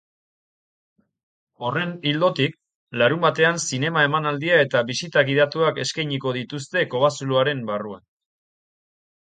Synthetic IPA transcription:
o̞re̞nild̪o̞t̪ik̚ | laɾumbat̪e̞ansine̞mae̞manald̪iae̞t̪aβisit̪aɣiðat̪uake̞skajɲiko̞ðit̪ust̪e̞ko̞βasuluaɾe̞mbaruan

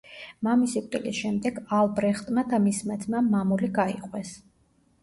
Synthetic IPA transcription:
mamisikʼt̪ʼilisʃɛmd̪ɛɡalˠbɾɛχt̪ʼmad̪amismad̪zmamamuliɡaiqʼwɛs

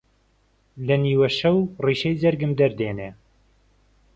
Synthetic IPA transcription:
lɐniːwɛʃɐwriːʃɛjzɐɾɡɨmd̪ɐɾd̪eːneː

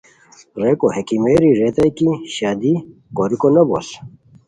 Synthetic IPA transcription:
ɾekohekimeɾiɾet̪ɐjkiɕaːd̪ikoɾikonɐbo̰s

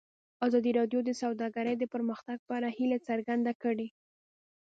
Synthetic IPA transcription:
ɑzɑd̪iɾɑd̪jod̪əsawd̪ɑɡaɾəjd̪əpəɾməxt̪aɡ̚pəaɾahilet͡səɾɡand̪akəɽe

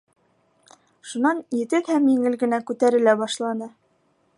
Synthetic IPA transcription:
ʃunɑnjɘ̆t̪ɘkhæmjɘ̆ŋɘlɡɘ̆nækʉt̪æɾɘ̆læbɑʃlˠɑnɤ

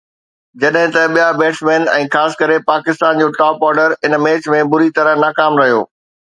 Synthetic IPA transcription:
d͡ʑɐɗɦɪ̃t̪ɐɓijabeːʈsmeːnɛ̰̃ːxaːsɪ̥kɐɾepaːkɪst̪aːnd͡ʑoːʈɔːpɔːɾɖəɾɪnmeːt͡ɕmẽbʊɾit̪ɐɾəɦnaːkaːmɾɐɦijoː

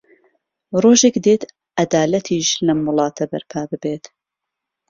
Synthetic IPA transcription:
roːʒekd̪et̪ | ʔɐd̪aːlɐt̪ʰiːʃlɐmʊlˠɑːt̪ʰɐbɐ̰ɾpʰaːbɨbeːt̪

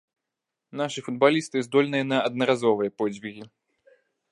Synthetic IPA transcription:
naʂɨfud̪̚balʲist̪ɨzd̪ɔlʲnɨjɐnɐɐd̪̚nɐɾazɔvɨjɐpɔd͡zʲvʲiɣʲi

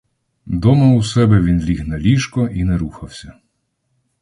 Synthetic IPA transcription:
d̪ɔmɐusɛbɛʋʲinlʲiɦnɐlʲiʃkɔʔinɛɾuxɐwsʲɐ

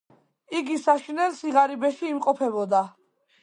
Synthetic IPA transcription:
iɡisaʃinɛlsiʁaɾibɛʃiːmqʼɔpʰɛbɔd̪a

